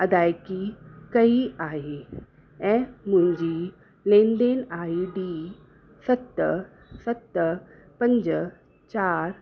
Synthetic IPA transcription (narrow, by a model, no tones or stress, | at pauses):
ɐd̪aːjkikɐiaːɦe | ɛ̃muɲd͡ʑiː | lẽnd̪enaːiɖi | sɐt̪ːə | sət̪ːə | pəɲd͡ʑə | t͡ɕaːɾ